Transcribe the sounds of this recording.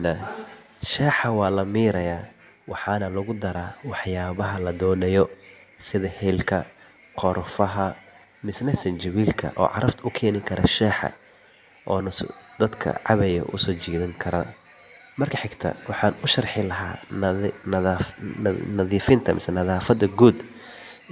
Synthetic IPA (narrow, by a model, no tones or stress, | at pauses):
nɐ | ʃɛːħɐwɑːlɐmiːɾɐjaː | wɑħɑːnɐlɐɣʊd̪ɐɾaːwɑħjaːβɐɦɐlɐd̪ɔːnɛjɔsɪðɐhɛlkʰɐ | qʰɔɾfɐɦɐ | mɪsnɐsɐnt͡ʃɐwiːlkʰɐ̰ʔɔ̰ːʕɑ̰ɾʔɐft̪ʰʊkʰɛːnɪkʰɐɾʔɐʃɛːħɐ̰ | ʔɔːnsd̪̥ɐd̪kʰɐ̰ʕɑ̰βɛjɐ̰ʔʊ̰sɔːt͡ʃiːðɐŋkʰɐɾɐ | mɐrkʰɐħɪɡt̪ʰɐ̰wɑħɑːnʊʃɐrħɪlɐɦaː | nɐðiːfɪnt̪ʰɐmʔɪ̰sɛnɐðaːfɐd̪ɐɡuːd̪